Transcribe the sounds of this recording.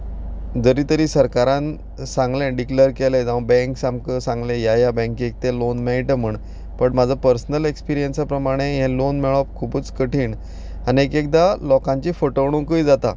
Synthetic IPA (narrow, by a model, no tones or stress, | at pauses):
d͡zəɾiːt̪əɾiːsəɾkaɾãn | sãŋɡlɛ̃ɖikləɾkeled͡zaʋbɛ̃ŋksamkəsãŋɡlẽjajabɛ̃ŋkek̚t̪elonmɛɭʈəm̤əɳ | pəɳmad͡zʱapəɾsnəlekspiɾijənsapɾəmaɽ̃eɦɛ̃lonmɛɭɔp̚kʰubuːt͡skəʈʰiːɳ | aniekek̚d̪alɔkãɲt͡ɕiːfəʈəʋɽ̃ũːkəijd͡zat̪a